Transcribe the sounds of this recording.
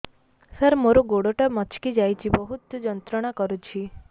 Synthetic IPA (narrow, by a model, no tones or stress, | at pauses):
səɾmoɾoɡoɽoʈamɔt͡ʃʰkid͡ʒajt͡ʃʰibɔɦut̪d͡ʒɔnt̪ɾɔɽ̃akɔɾut͡ʃʰi